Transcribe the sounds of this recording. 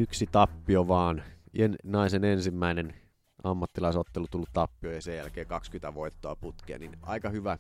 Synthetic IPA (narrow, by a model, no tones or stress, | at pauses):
yksit̪ɑpːioʋɑːniennɑisenensimːæinen | ɑmːɑt̪ːilɑisot̪ːelut̪ulːut̪ɑpːiojɑsejælkeːkɑkskyt̪æʋoit̪ːoɑput̪kḛːninɑ̰ikɑhyʋæ